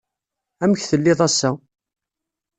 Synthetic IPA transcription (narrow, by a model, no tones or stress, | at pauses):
æməçθəlːɪðˤæsːæ